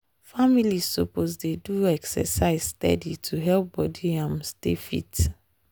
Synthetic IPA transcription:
familizsopozdeduɛksɛ̰saɪzstɛ̰ditʰuɦɛlp̚bɔdiãmstḛfḭt

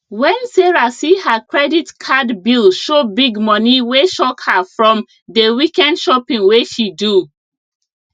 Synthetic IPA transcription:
wɛ̃nseɹasihakʰɹɛditkʰadbilʃobiɡmɔniweʃɔkhafɹɔ̃m | dəwikɛ̃ndʃɔpĩŋweʃidu

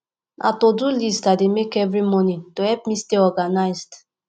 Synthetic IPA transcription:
nʔa̰todulistademekɛvɹimɔnĩtohɛpmisteɔɡanaɪzd

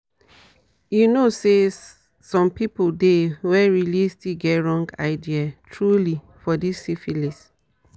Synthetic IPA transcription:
junose | sɔ̃mpipoldewɛɹilistiɡɛtɹɔ̃ŋɡa̰ɪdiatʰɹuli | fɔdisifilis

